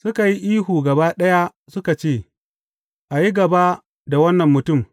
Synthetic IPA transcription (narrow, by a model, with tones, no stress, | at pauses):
sʊ˦ka˨ji˦ʔiː˦huː˨ɡɐ˨baː˦ɗɐ˦ja˦ | sʊ˦ka˨t͡ʃeː˦˨ | ʔa˨ji˦ɡɐ˨baː˦ | da˨wɐ˦nːɐ˨mːʊ˨tʊ˦˨m